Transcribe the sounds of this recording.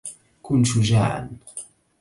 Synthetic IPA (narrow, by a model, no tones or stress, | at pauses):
kʊnʃʊʒa̰ːʕa̰n